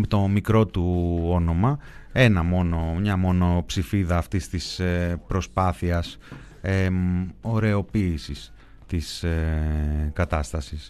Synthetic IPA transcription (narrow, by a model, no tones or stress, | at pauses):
t̪o̞mikɾo̞t̪uo̞no̞mɐe̞nɐmo̞no̞ɲɐmo̞no̞psifiðɐːft̪ist̪ispɾo̞spɐθiɐs | eo̞ɾe̞o̞piːsis | t̪is | kɐt̪ɐst̪ɐsis